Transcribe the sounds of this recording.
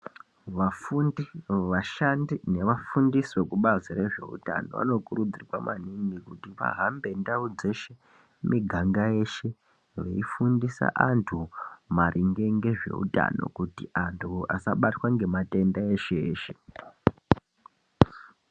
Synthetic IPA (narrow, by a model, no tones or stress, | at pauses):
ʋafuniʋaʃandine̞ʋafundiso̞kuɓazire̞ʐe̞̰ṵta̰no̞̰ʋa̰no̞kuɾud͡zirwa̰mʔaniŋɡikutiʋa̰ɦambe̞ndaud͡ze̞ʃe̞ | mʔiɡʱaŋɡaje̞ʃe̞ | ʋḛifundisa̰ʔantʰumarʔiŋɡeŋɡe̞ʐe̞̰ṵta̰no̞̰kutiʔantʰuasaɓatwaŋɡe̞mate̞ndaeʃeːʃe̞̥